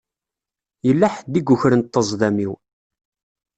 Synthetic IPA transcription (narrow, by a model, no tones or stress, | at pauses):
jəlːaħəd̪ːiɡuçɾənt̪ːəzˤðæmiw